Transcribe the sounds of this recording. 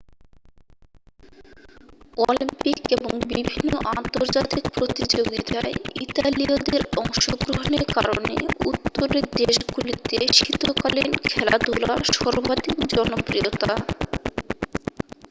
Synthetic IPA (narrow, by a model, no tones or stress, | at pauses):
ɔlimpikeboŋbibʱinːoʔant̪oɾd͡ʑat̪ik̚pɾot̪id͡ʑoɡit̪aeit̪aliod̪eɾɔŋʃoɡɾoɦoneɾka̰ɾonḛut̪ːoɾeɾd̪eʃɡulit̪eʃit̪okalinkʰɛla̰d̪ula̰ʃɔɾbad̪ikd͡ʑɔnopɾiot̪a